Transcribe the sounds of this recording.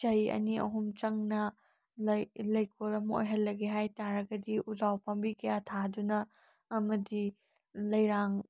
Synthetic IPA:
t͡ʃɐjɐ̰niɐ̰ɦumt͡ʃɐŋnɐ | lɐjkʰolɐmo̰jɦɐlːɐɡeɦajtaɾɐɡɐdiʔuzawpɐmbikʰɐjatʰadunɐː | mɐdi | lɐjɾaŋ

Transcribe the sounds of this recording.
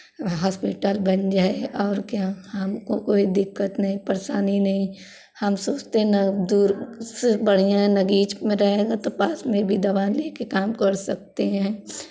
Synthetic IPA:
ɦɔːspɪʈəlbɐnd͡ʒaːeʔɔːɾkjaɦɐmkokoːid̪ɪkːət̪nɐɦĩpɐɾsaːninɐɦĩ | hɐmsoːt͡ʃt̪eɦnɐd̪uːɾsebɐɽ̤ijãnɐɡiːt͡ʃmẽɾɐɦeːɡat̪opaːsmẽbʱid̪ɐʋaːnleːkekaːmkɐɾsɐk̚t̪eɦɛ̃ː

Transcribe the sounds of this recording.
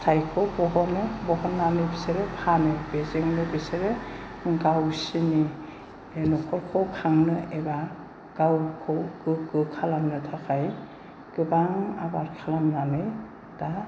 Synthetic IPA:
tʰajkʰɔbɔɦɔnɯbɔɦɔnːanɯbiseɾepʰanɯbezeŋnɯbiseɾe | ɡawsini | enɔkʰɔɾkʰɔwkʰaŋnɯeba | ɡ̥awkʰɔwɡɯɡɯkʰalamnɯtʰakʰaj | ɡ̥ɯbaŋa̰baɾkʰalamnanɯj | d̥a

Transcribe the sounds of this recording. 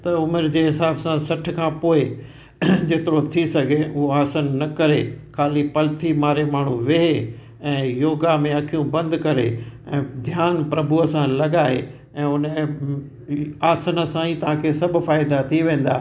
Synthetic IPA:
t̪ɐʊmɪɾd͡ʑeːɦɪsaːbsãsɐʈʰɪ̆kʰãːpoːɪ | d͡ʑet̪ɪɾot̪ʰisɐɡʱeʊɦoaːsənnɐkɐɾekʰaːlipɐlɪt̪ʰimaːɾemaːɳ̤ũʋɪɦe | ɛ̃ːjoːɡamẽɐkʰijũbɐ̃nd̪kɐɾḛɛ̃ːd̪ʱjaːnpɾɐbuəsãlɐɠaːe | ɛ̃ːʊn | aːsənəsãiːt̪ɐʋ̤ãkʰeːsɐbʱʊfaːɪd̪at̪ʰiʋẽːn̆d̪aː

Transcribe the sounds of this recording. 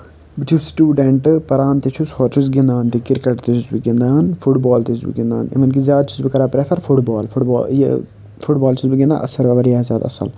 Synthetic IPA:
bit͡ʃʰusʈuːɖeɳʈpɐɾaːnt̪et͡ʃʰushoːɾt͡ʃʰus̬ɡɪnd̪aːnt̪ikɪɾkɐʈt̪it͡ʃʰusbiɡɪnd̪aːnfʰuʈbɔːlt̪isbḭɡɪnd̪a̰ːnḭʋɐnk̬izjaːd̪t͡ʃʰuzbikɐɾaːpɾefʰɐɾfʰuʈbaːlfʰʊʈbɔ̰ːj̰ | fʰʊʈbaːlt͡ʃʰusbiɡɪnd̪a̰ːʔɐ̰sɐɾʋɐʋɐɾjaːzjaːd̪a̰ːsɐ̰l

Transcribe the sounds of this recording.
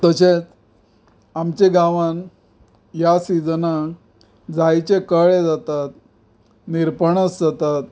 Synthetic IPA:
t̪əɕet͡s | amt͡ɕeɡaʋãn | jasid͡zna | d͡zajt͡ɕekəɭed͡zat̪at̪ | niɾpəɳəsd͡zat̪at̪̚

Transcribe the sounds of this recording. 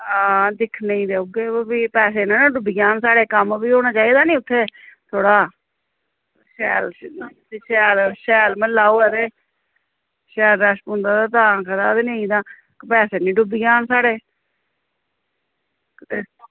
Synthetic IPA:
aːd̪ɪkʰnẽĩːd̪eːuɡeːbiːpɛːs̬eːnãːnãːɖʊbiːaːnsaːɽeːkəmbiːɦoːɽ̃aːt͡ʃaːiːd̪aːnĩːʊt̪ʰːeːt̪ʰoːɽaː | ʃɛːlː | ʃɛːlʃɛːlməlaːoːɛɾeː | ʃɛːlɾəʃpõːnd̪aːd̪aːt̪ãːkəɾaːd̪eːnẽĩːd̪aː | kpɛːseːnĩːɖʊbijaːnsaːɽeː

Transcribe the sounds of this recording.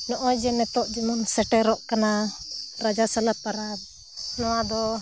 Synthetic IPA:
nɔʔɔd͡ʒɛnɛt̪ɔʔd͡ʒimunsɛʈɛɾɔʔkanaɾad͡ʒasalapaɾab̚ | nɔwad̪ɔ

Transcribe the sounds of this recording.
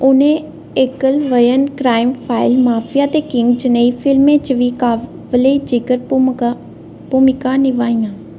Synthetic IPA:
ʊnẽː | eːkəlʋəjənkɾaːɪmpʰaːɪlmaːpʰɪjaːt̪eːkɪŋɡd͡ʒəneːiːpʰɪlmẽːt͡ʃəʋiːkaː | ʋəleːd͡ʒɪkəɾ | puːmɪkãːnɪʋaːɪ̃jãː

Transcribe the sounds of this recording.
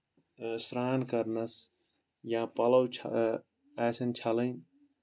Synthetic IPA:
sɾaːnkɐɾnɐs | jãːpɐlɐwt͡ʃʰ | ɛːsɐnt͡ʃʰalɐjn

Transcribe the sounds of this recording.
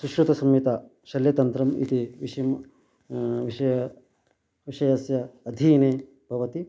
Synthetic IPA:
suʃɾut̪ɐsɐmjit̪ɐ | ʃɐljɐt̪ɐnt̪ɾɐmḭt̪iʋiʃɐm | ʋiɐjɐ | ʋiʃɐjɐsjɐːd̪ʱiːneː | bʱɐʋɐt̪i

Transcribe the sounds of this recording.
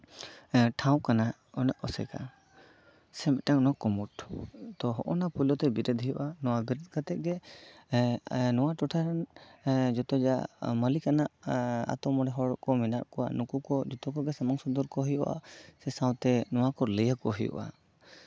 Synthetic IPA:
ʈʰaw̃kana | ɔnaʔɔsɛ̰ka̰ | sɛmɛʈaŋnɔkɔmuʈt̪ɔɦɔʔɔnapulɔt̪ɛbiɾɛd̪ʱɦijɔʔanɔwabiɾɔd̪̚kat̪ɛʔ̚ɡɛ | nɔwaʈɔʈʰaɾan | d͡ʒɔt̪ɔd͡ʒa̰məlikanaʔa̰t̪ɔmɔɽɛɦɔɽɔkɔmɛnaʔkɔa̰ʔnukukɔd͡ʒɔt̪ɔkɔɡɛsɛmaŋsɔd̪ɔɾkɔɦɔjɔ̰ʔa̰sɛsaw̃t̪ɛnɔwakɔɾləjakɔɦɔjɔ̰ʔa̰

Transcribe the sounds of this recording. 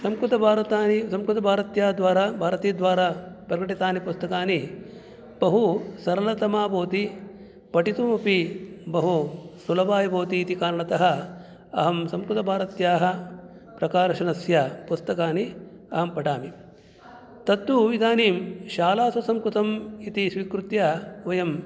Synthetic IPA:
sɐmkɾut̪ɐbʱaːɾɐt̪aːnisɐmkɾut̪ɐbʱaːɾɐt̪jaːd̪ʋaːɾaːbʱaːɾɐt̪iːd̪ʋaːɾaːpɾɐɡɐʈit̪aːnipust̪ɐkaːni | b̥ɐɦusɐɾɐlɐt̪ɐmaːboːt̪i | pɐʈit̪umɐpibɐɦusulɐbaːjɐboːt̪iːt̪ikaːɾɐɳɐt̪ɐɦɐ | ɐɦɐmsɐmkɾut̪ɐbʱaːɾɐt̪jaːɦɐ̆ | pɾɐkaːɾɐʃɐnɐsjapust̪ɐkaːni | ɐɦɐmpɐʈaːmi | t̪ɐt̪ːuʋid̪ʱaːniːmʃaːlaːsɐsɐmkɾut̪ɐmit̪isʋiːkɾut̪jaʋɐjɐm

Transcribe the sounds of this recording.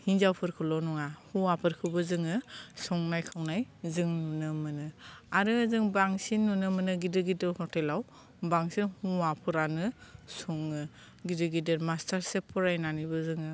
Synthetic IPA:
hinzawpʰɯɾkʰɯlɔwnɔŋahuapʰɯɾkʰɯbɯzɯŋɯsɔŋnajkʰawnajzɯŋnunɯmɯnɯaɾɯzɯŋbaŋsinːunɯmɯnɯɡidɯɡidɯɾhɔtelaw | baŋsinhuwapʰɯɾanɯsɔŋɯ | ɡidɯɡideɾmastaɾsepʰɔɾajnanibɯzɯŋɯ

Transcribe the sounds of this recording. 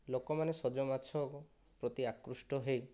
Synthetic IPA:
lokɔmanesɔd͡ʒɔmat͡ʃʰɔk | pɾot̪iakɾusʈɔɦej

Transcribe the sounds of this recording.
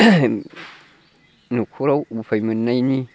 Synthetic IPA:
nukʰuɾawufajmɨnːajni

